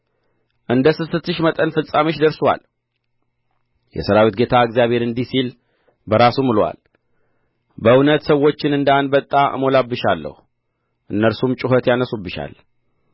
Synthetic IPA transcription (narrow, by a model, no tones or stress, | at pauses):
ʔɨnd̪əsɨsɨt̪ːɨʃmət̪ʼənfɨsʼameʃd̪əɾsowa̰l | jɛ̰səɾawit̪̚ɡe̞t̪ʰaəɡzijaβhe̞ɾɨnd̪isil | bəɾasumɨlwa̰l | bəɨwnət̪səwːo̞t͡ʃːɪnɨnd̪anbət̪ʼːaə̰mo̞labːɨʃalːə̰hu | ʔɨnːəɾsumt͡ʃʼɪɦət̪janəsubːɨʃa̰l